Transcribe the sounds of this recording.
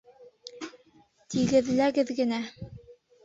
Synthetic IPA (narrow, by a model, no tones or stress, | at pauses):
t̪ʰiɡɘ̆ðlæɡɘðɡɘ̆næ